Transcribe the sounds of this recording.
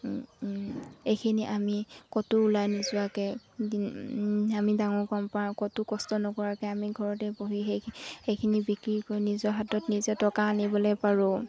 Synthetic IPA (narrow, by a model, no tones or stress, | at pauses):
ejkʰiniʔamikɔtʊʊlajnizʊakɛdi | amidaŋɔɹkɔmpaɹ̃kɔtʊkɔstɔnɔkɔɹakɛamiɡʱɔɹɔtɛboɦiɦehejkʰinibikɹikojnizɔɦatɔtnizɛtɔkaːnibɔlojpaɹʊ̃